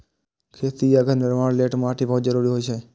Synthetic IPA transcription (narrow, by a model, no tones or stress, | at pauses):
kʰet̪ijaɡʱəɾnɪɾmaɽleʈmaʈ̪ʰibʱəɦut̪d͡ʒəɾuɾiɦojt͡ʃʰe